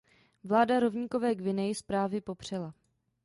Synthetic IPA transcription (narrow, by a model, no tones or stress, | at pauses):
vlaːdaɾo̞vɲiːko̞vɛːɡvɪnɛjɪspɾaːvɪpo̞pr̝̥ɛla